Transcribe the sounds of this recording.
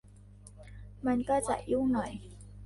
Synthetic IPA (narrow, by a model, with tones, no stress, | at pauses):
ma˧nkaː˥˩t͡ɕa̰˨˩ʔʔi˦˥˨wnɔ˨˩˦j